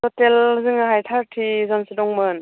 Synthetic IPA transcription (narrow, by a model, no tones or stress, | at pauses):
sʰɔtelzɯŋaɦajtʰaɾtʰizɔnsidɔŋmɯn